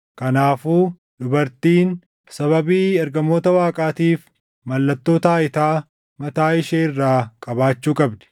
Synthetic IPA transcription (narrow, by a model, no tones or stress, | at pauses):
kɐnaːfuː | d̪ʊbɐɾt̪iːn | sɐβɐbiːɐɾɡɐmo̞ːt̪ɐwaːkʼaːt̪iːf | mɐlːɐt̪ːo̞ːt̪ɐaːɪt̪aː | mɐt̪aːɪʃeːɪrːaːkʼɐbaːt͡ʃːuːkʼɐbd̪ɛ̥